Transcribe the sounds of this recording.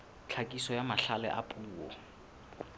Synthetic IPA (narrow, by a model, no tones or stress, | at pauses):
t͡ɬʰakʼisɔjamaɬalɛ̰ʔa̰pʼuːɔ̰